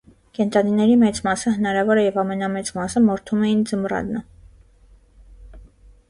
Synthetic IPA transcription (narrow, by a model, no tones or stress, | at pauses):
kɛnt̪ɑninɛɾimɛt͡smɑsəɦənɑɾɑvɔɾɛjɛvɑmɛnɑmɛt͡smɑsəmɔɾt̪ʰumɛjind͡zəmrɑ̰d̪nə